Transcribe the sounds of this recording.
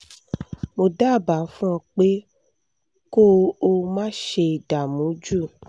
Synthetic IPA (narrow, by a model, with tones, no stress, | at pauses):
mo˧da˦˨ba˨˦fũ˦ɔ̃˧k͡pe˦ | ko˦o˧mãː˦ʃe˧i˨da˨mũ˨˦d͡ʒu˦˨